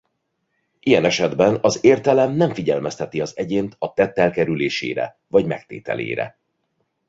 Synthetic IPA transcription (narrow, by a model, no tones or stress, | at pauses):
ʔijɛnɛʃɛd̪bɛnɒzeːrt̪ɛlɛmnɛɱfiɟɛlmɛst̪ɛt̪iɒzɛɟeːnt̪ɒt̪ɛt̪ːɛlkɛɾyleːʃḛːɾɛ̰ | vɒɟmɛk̚t̪ḛːt̪ɛ̰lḛːɾɛ̰